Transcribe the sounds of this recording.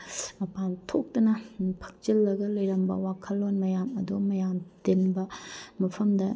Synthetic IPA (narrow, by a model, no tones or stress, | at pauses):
mɐpantʰok̚tɐnɐpʰɐ̥k̚t͡ʃilːɐɡɐlɐjɾɐmbɐ̰wakʰɐlːonmɐjamɐdumɐjamtenbɐmɐpʰɐmdɐ